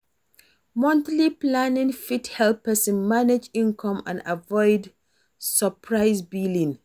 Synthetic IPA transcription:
mɔ̃ntliplanĩŋfithɛlpəsmaned͡ʒĩnkʰɔ̃mã̰na̰vɔɪd | səpʰɹaɪsbilĩŋ

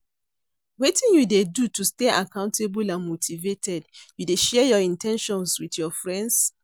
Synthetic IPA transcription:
wetĩnjudedutusteʔakãʊ̃ntʰebulãnmotʰivetʰɛdjudeʃɛjɔĩntʰɛ̃nʃɔ̃nswiθjɔfɹɛ̃nds

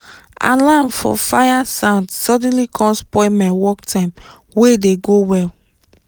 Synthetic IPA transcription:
a̰lãmfɔ̰fajasãʊ̃ndsɔd̃nlikʰɔ̃nspɔɪmɛ̃wɔktʰãm | wedeɡowɛl

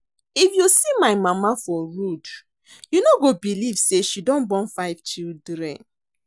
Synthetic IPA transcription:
ifjusimaɪmamafɔɹud | junoɡobilivseʃidɔ̃nbɔ̃nfaɪv̥t͡ʃildɹɛ̰̃n

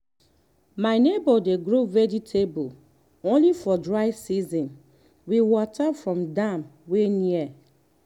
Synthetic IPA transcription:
maɪnebɔdeɡɹovɛd͡ʒitʰebul | õnlifɔdɹaɪsizɔ̃n | wiwɔtafɹɔ̃mdãmweniɛ

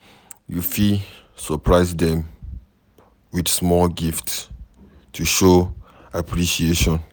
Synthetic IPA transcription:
jufi | səpʰɹaɪzdɛ̃m | widsmɔlɡifts | tʰuʃo | apʰɹiʃieʃɔ̃n

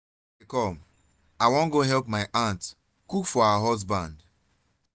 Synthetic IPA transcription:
kɔ̃m | aɪwɔ̃nɡoɦɛlpmaɪʔãnt | kukfɔaɦɔs̬bãnd

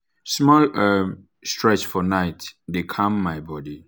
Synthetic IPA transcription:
smɔl | stɹɛt͡ʃfɔnaɪtdekʰãmːajbɔdi

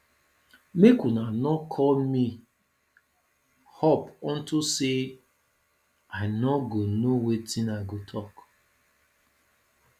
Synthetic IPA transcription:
mekunanɔkʰɔlmi | hɔpɔ̃n̩tuse | aɪnɔɡonowetinaɡotʰɔk

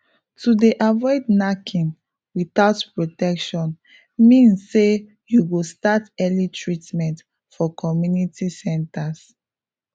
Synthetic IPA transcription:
tudeʔavɔɪdnakʰĩn | wiθaʊtpɹotɛkʃɔ̃n | mĩnsːe | juɡostatɛlitʰɹitmɛ̃nt | fɔkʰɔmjunitʰisɛ̃ntas

